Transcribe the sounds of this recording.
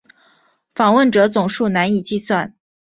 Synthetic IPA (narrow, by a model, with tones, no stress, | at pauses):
fɑ˨˩ŋwə˥˩nʈ͡ʂɤ˧˥t͡sʊ˨˩ŋʂu˥˩na˧˥ni˨˩t͡ɕi˥˧swa˥˩n